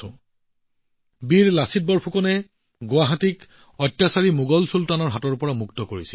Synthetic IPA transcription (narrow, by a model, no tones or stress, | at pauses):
ʊ̃ | biɹlasit̚bɔɹpʰukɔnɛ | ɡoaɦatik | ɔtjasaɹimuɡɔlsultanɔɹɦatɔɹpɔɹamuktɔkoɹisil